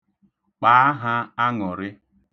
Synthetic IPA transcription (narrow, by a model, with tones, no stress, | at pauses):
k͡pa˨˦a˦ɦa˦a˦ŋɔ˨ɾɪ˦